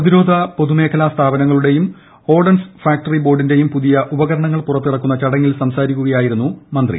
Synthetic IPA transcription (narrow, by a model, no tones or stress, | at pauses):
ɐðiɾo̞ːd̪ʱɐpo̞ðume̞ːkʰɐlast̪ʰaːbɐnɐŋːɐɭuɽe̞jum | o̞ːɖɐnsfaːk̚ʈɐribo̞ːɖinde̞jumpuðijɐʔubɐɣɐɾɐɳɐŋːɐɭpurɐt̪ːiɽɐkːunːɐt͡ɕɐɽɐŋːilsɐmsaːɾikʲːuɣɐjaːjiɾunːumɐnd̪rḭ